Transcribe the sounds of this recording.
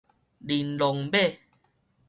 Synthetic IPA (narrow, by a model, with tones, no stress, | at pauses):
li˨nlɔ˨ŋbe˥˨